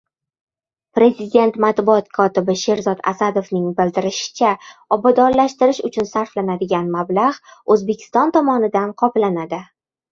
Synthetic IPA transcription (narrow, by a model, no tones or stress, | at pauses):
pɾe̞zɪd̪ʲe̞nt̪mat̪buɒt̪kʰɒt̪ɪbɪʃe̞ɾzɒt̪a̰sad̪ofnɪŋbɪld̪ɪɾɪʃɪ̥t͡ʃʰaɒbad̪ɒɾlaʃt̪ɪɾɪʃʊt͡ʃʰʊnsaɾflanad̪ɪɡʲanmablaʁozbe̞kʲʰɪ̥st̪ɒnt̪ʰɒmɒnɪd̪anqʰɒplanad̪ɪ